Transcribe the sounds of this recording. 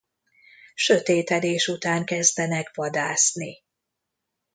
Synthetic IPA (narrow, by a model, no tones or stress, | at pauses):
ʃø̞t̪eːt̪ɛd̪eːʃut̪aːŋkɛzd̪ɛnɛkʋɒd̪aːsni